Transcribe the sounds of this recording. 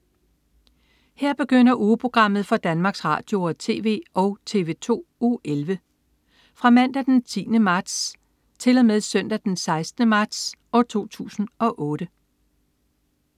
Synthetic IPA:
heɐ̰b̥e̝ɡ̥øn̰ɐʔuːpʰʁo̝ɡ̥ʁɑ̈m̰ð̞̩ˠfɒ̽d̥ænmɑ̈ːɡ̥sʁɑ̰̈ːd̥jo̝ɒt͡sʰe̝̰ːʋe̝̰ːɒ̽ʊt͡sʰe̝ːʋe̝ːt͡sʰo̝̰ːoːelʋə | fʁɑ̈mæn̰d̥æd̥ent͡sʰḭːnəmɑ̈d̥s | t͡sʰe̝lɒmeðˠsœn̰d̥æd̥ensɑ̈ɪsd̥nəmɑ̈d̥sɒ̽t͡sʰo̝̰ːt͡sʰṵːsn̩ɒ̽ʔɔ̽ːɾ̥ə

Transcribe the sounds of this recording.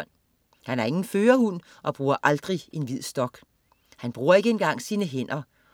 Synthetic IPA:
n̰ | hænæɐe̝ŋn̩føːɐhun̰ | ʔɒ̽b̥ʁuːɐʔɑ̈ld̥ʁiʔe̝nʋið̞̰ˠsd̥ɒ̽ɡ̥ | hænb̥ʁuːɐe̝ɡ̥əenɡ̥ɑ̈ŋ̰siːnəɦen̰ɐ

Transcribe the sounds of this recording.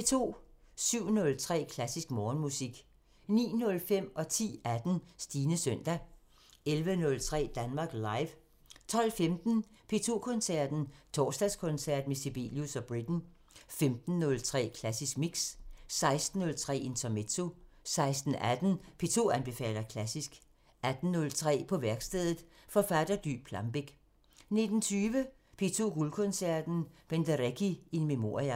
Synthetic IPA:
pʰe̝t͡sʰo̝̰ː | syʊ̰nɔ̽lt͡sʰʁɛ̰ːkʰlæsisɡ̥mɒːnmusiɡ̥ | nḭːnɔ̽lfem̰ɒ̽t͡sʰḭːæd̥n̩sd̥iːnəsœn̰d̥æ | elʋənɔ̽lt͡sʰʁɛ̰ːd̥ænmɑ̈ːɡ̥lɑ̈ɪʋ | t͡sʰɒ̽l̰femd̥n̩pʰe̝t͡sʰo̝̰ːkʰɔ̽nsæɐ̰d̥n̩t͡sʰɒ̰ːsd̥æskʰɔ̽nsæɐ̰d̥mesib̥ḛːljusɒ̽b̥ʁid̥n̩ | femd̥n̩ːɔ̽lt͡sʰʁɛ̰ːkʰlæsisɡ̥̚miɡ̥ssɑ̈ɪsd̥n̩ːɔ̽lt͡sʰʁɛ̰ːent͡sʰɒmet͡sʰo̝sɑ̈ɪsd̥n̩ʔæd̥n̩pʰe̝t͡sʰo̝̰ːænb̥e̝fɛ̰ːlɐkʰlæsisɡ̥ | æd̥n̩ːɔ̽lt͡sʰʁɛ̰ːpʰɒ̽ʋæɐɡ̥sd̥eðˠð̩ˠfɒ̽fæd̥ɐd̥y̰ːpʰlɑ̈mb̥e̝ɡ̥ | ne̝d̥n̩t͡sʰyːʋə | pʰe̝t͡sʰo̝̰ːɡ̥ulkʰɔ̽nsæɐ̰d̥n̩b̥end̥æʁekʰienmemo̝̰ɐʁiæ

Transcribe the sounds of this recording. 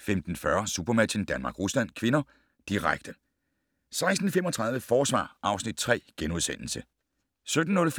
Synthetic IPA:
femd̥n̩fɶɐsub̥ɐmæind̥ænmɑ̈ːɡ̥ʁuslæn̰kʰʋe̝nɐ | d̥iʁaɡ̥̚d̥ə | sɑ̈ɪsd̥n̩femɒt͡sʰʁɑ̈ðˠʋəfɒːsʋɑ̰̈ːʔɑ̈ʊsnid̥̚t͡sʰʁɛ̰ːɡ̥enuð̞ˠsen̰l̩sə | sød̥n̩ːɔ̽lf

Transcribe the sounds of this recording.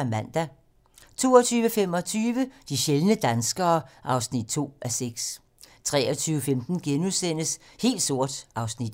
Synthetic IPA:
mæn̰d̥æ | t͡sʰo̝̰ːɒt͡sʰyːʋəfem̰ɒ̽t͡sʰyːʋəd̥iɕelnəd̥ænsɡ̥ɐːʔɑ̈ʊsnid̥̚t͡sʰo̝̰ːʔæseɡ̥s | t͡sʰʁɛːɒt͡sʰyːʋəfemd̥n̩ɡ̥enuðˠsen̰əshe̝̰ːld̥so̝ɐ̰d̥ʔɑ̈ʊsnid̥

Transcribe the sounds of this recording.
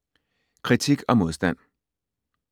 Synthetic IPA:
kʰʁit͡sʰiɡ̥ɒ̽mo̝ðˠsd̥æn̰

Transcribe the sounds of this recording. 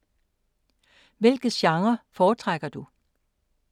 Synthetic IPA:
ʋelɡ̥əɕɑ̈ŋɐfɒːt͡sʰʁaɡ̥ɐd̥u

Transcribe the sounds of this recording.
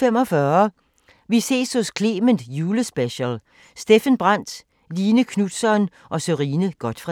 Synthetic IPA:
emɒ̽fɶːɐ | ʋise̝̰ːshɔ̽skʰle̝ːmənd̥juːləsb̥eɕəl | sd̥e̝fənb̥ʁɑn̰d̥ | liːnəkʰnud̥sɒn | ʔɒ̽søʁiːnəɡ̥ɒ̽d̥fʁɑ̈

